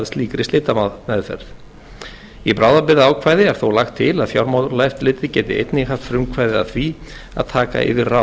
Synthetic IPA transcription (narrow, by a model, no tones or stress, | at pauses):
ðst̪liːkɾɪst̪ɪːt̪amanɛðfɛ̰ɾθ | ipɾaːwðapɪɾðaːwkʰvaːjðɪɛɾ̥θowlaxt̪ʰːɪlaðfjawɾmawðɾlaɛft̪lɪːt̪ɪ̥cɛːt̪ɪḛjt̪nɪhaft̪fɾʏmkʰvajðɪa̰θvia̰ðt̪ʰaːka̰ʔɪ̰vɪra